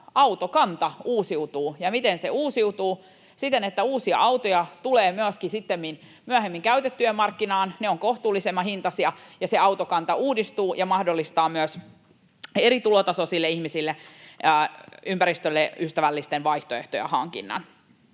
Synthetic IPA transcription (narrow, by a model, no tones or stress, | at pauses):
ɑwt̪okɑnt̪ɑuːsiut̪uːjɑmit̪enseuːsiut̪uː | sit̪enet̪ːæuːsiɑ̰ʔɑwt̪ojɑt̪uleːmyæskisit̪ːemːin | myæhemːiŋkæyt̪et̪ːyemmɑrkːinɑːnneoŋkoht̪uːlːisemːɑhint̪ɑsiɑjɑseɑwt̪okɑnt̪ɑuːdist̪uːjɑmɑhdolːist̪ɑːmyæs | eɾit̪ulot̪ɑsosilːeihmisilːeː | ympæɾist̪ølːeyst̪æʋælːist̪enʋɑiht̪oeht̪ojɑ̰hɑŋkḭnːɑ̰n